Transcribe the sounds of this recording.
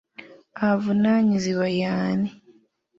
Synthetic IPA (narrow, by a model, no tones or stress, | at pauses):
avunaːɲiziβajaːni